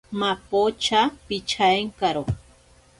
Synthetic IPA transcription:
mapot͡ʃapit͡ʃʰaeŋkaɾo

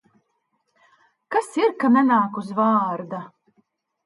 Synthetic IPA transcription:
kasiɾkanʲɛnaːkuzvaːɾd̪a

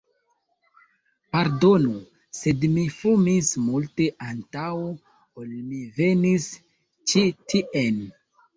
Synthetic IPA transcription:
paɾdo̞nu | se̞dmifumismulte̞ʔantawo | olmive̞nis | t͡ʃitʰiʔen

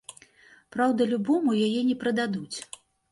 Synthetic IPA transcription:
pɾawd̪ɐlʲubɔmujajɛnʲɛpɾɐd̪ad̪ut͡sʲ

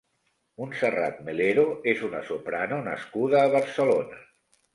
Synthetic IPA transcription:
unsəra̰t̪̚meleɾoezunə̰sopɾanonə̰skuð̞əːβ̞əɾsəlonə

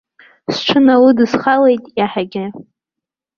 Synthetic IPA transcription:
sʈ͡ʂʷʰɨnawudɨzχale̞jtʼjaħaɡʲɪ

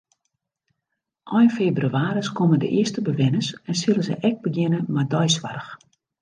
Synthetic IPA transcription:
ʔɔjnfebryaːɾəskomədə̰ʔɪəstəbəʋɪnəsɛnsɪlˠəzɛ̰jʔɛk̚bəɡjɪnəmadɔjsʋarəx

